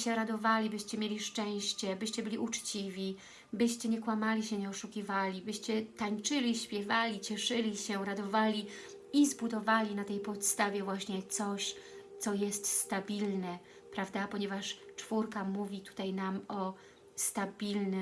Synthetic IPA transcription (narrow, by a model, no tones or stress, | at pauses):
ɕɛɾad̪ɔvalʲibɘɕt͡ɕɛmʲjelʲiʂt͡ʂɛ̃w̃ɕt͡ɕɛbɘɕt͡ɕɛbɘlʲiʔut͡ʂt͡ɕivʲi | bɘɕt͡ɕɛɲɛkwamalʲiɕɛɲɛɔʂukʲivalʲibɘɕt͡ɕɛt̪aɲt͡ʂɘlʲiɕpʲjɛvalʲit͡ɕɛʂɘlʲiɕɛɾad̪ɔvalʲi | izbud̪ɔvalʲinat̪ɛjpɔt̪st̪avʲjɛvwaɕɲɛt̪sɔɕt̪sɔjɛst̪st̪abʲilnɛ | pɾavd̪apɔɲɛvaʂt͡ʂfuɾkamuvʲit̪u̥t̪ajnamɔ | st̪abʲilnɘ